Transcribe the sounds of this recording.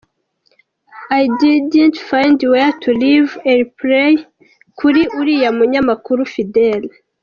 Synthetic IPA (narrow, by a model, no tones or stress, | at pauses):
ajdidəntfãjndwetʰulivenpɾej | kʰuɾiʔuɾijamuɲamakuɾufidel